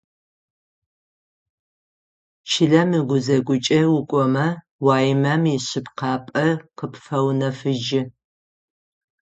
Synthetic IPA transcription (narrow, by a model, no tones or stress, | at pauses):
t͡ʃʰɪɮɐmɨɡʷʊzɐɡʷʊt͡ʃʼɐwʊkʷʼɔmɐ | waːjɪmɐmiɕɪpqɑːpʼɐqəpfɐwnɐfɨd͡ʒɪ